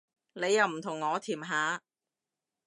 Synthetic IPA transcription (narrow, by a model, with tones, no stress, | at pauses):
ne˨˧jːɐ˨˧wm̩˨˩t̪ʰʊ˨˩ŋːɔː˨˧t̪ʰiː˨˩mɦaː˨˧˥